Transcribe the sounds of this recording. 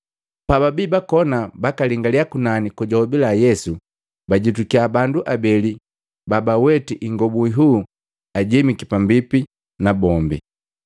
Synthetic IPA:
pababiːbakɔnabakaliŋɡaliakunanikuɟɔhɔbilajɛsu | baɟitukiabanduʔabɛli | babawɛtiʔiŋɡɔbuiɦuː | aɟɛmikipambipi | nabɔmbḭ

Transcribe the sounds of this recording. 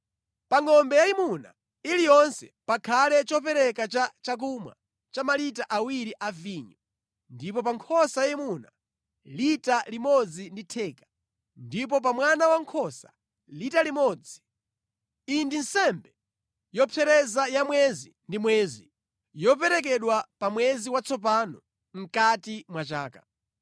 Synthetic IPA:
paŋɔmbɛjaimuna̰ | ilijɔnsɛ̰pakʰalɛt͡ʃɔp̬ɛɾɛkat͡ʃat͡ʃak̬umwa̰ | t͡ʃamalitaʔawiɾiʔaviːɲɔ | ndipɔpaŋkʰɔsajaimuna | litalimɔd͡zinditʰɛːkḁ | ndip̬ɔp̬amwanawaŋkʰɔsḁ̰ | litalimɔd͡zi | indin̩sɛmbɛ | jɔpʰɛɾɛzajamwɛzindimwɛːzi | jɔpɛɾɛk̬ɛɗwapamwɛziwat͡sʰɔp̬anɔ | ŋ̩katimwat͡ʃaːka̰

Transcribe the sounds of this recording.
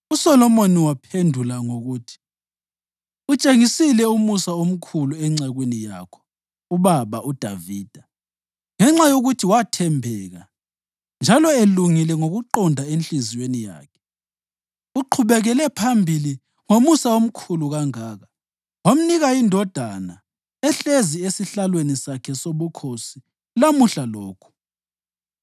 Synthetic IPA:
usɔlɔmoniwapʰendʱulaŋoɣutʰi̥ | ut͡ʃʼeŋisilɛumusaom̩kʰuluɛŋ͡ǀaɣwenija̰kʰɔ̥ | uβaβaʔud̥ʱa̰viːd̥ʱa | ŋɛŋ͡ǁajoɣutʰiwatʰɛmbʱɛːɣa | nd͡ʒʱalɔeluŋilɛŋoɣuǃɔndʱaent͡ɬiziwenija̰ːkʰɛ̥ | uǃʰuβɛɣɛlɛpʰambʱili | ŋomusawom̩kʰuluɣaŋaːɣa | wam̩niɣaindʱɔd̥ʱana | ɛɬeziesiɬalwenisakʰɛsoβukʰosi | lamuɬalɔːkʰu̥

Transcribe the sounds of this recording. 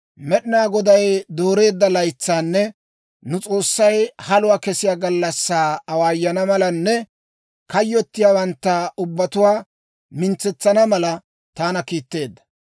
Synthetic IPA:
mɛɗɪnaːɡɔd̪ɐjd̪o̞ːɾe̞ːd̪ːɐlɐjt͡sːaːnːɛ | nʊt͡sʼo̞ːsːɐjhɐlʊwaːkɛsɪjaːɡɐlːɐsːaːɐwaːjːɐnɐmɐlɐnːɛ | kɐjːɔt̪ːɪjaːwɐnt̪ːɐʊbːɐt̪ʊwaː | mɪnt͡sːɛt͡sːɐnɐmɐlɐ | t̪aːnɐkiːt̪ːe̞ːd̪ːɐ̥

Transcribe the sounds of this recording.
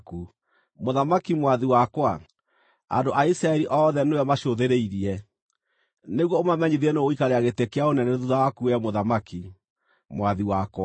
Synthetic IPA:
ku | moðamakimwaðiwakwa | a̰ndoʔaisɾaɛɾiʔɔːðɛneɛmaʃoðeɾeiɾiɛ | neɣwɔomamɛɲiðɛnooikaɾeaɣetekeaonɛnɛðuðawakuɛmoðamaki | mwaðiwakwa

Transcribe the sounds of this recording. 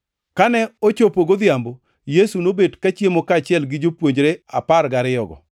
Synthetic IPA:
kanɛot͡ʃopoɡod̪jambo | jesunobedkat͡ʃjemokat͡ʃɪɛlɡɪd͡ʒopwoɲd͡ʒɾeapaɾɡaɾɪjɔɡɔ̰

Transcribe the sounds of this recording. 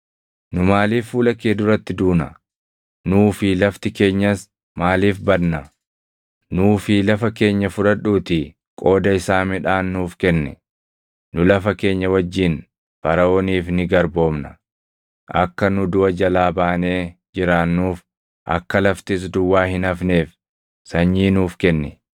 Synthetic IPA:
nʊmaːliːfːuːlɐkeːd̪ʊɾɐt̪ːɪd̪uːnɐ̰ | nuːfɪlɐft̪ɪke̞ːɲːɐs | maːliːfbɐdnɐ | nuːfilɐfɐke̞ːɲːɐfʊᶑɐᶑuːt̪ɪ | kʼo̞ːd̪ɐɪsaːmɪᶑaːnːuːfkɛnːɛ̰ | nʊlɐfɐke̞ːɲːɐwɐd͡ʒːɪn | fɐɾɐoːniːfnɪɡɐɾbo̞ːmnɐ | ʔɐ̰kːɐnʊd̪ʊʔɐd͡ʒɐlaːbaːne̞ːd͡ʒɪɾaːnːuːf | ʔɐ̰kːɐlɐft̪ɪs̬d̪ʊwːaːhɪnɐfne̞ːf | sɐɲːiːnuːfkɛnːɛ

